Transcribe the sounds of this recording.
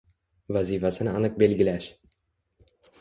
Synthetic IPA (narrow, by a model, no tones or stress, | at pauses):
vazifasɪnɪɑnɨq̚be̞lɡʲɪlaʃ